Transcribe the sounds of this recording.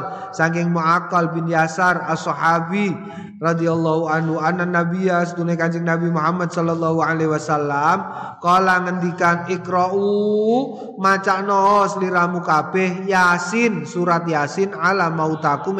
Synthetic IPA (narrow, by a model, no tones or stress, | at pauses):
saŋkɪŋmuakalbɪnjasarasɔħabi | rɑd̪ialːɔɦuanhuananabias̬ət̪unekaɲt͡ʃɪŋnabimuɦamːad̪sɔlɔlːaɦualɛɦwasalːam | kɔlaŋənd̪ikanɪkɾɔu | mat͡ʃaʔnɔsliɾamukab̥ɛhjasɪnsuɾat̪̚jasɪnalamaut̪akʊm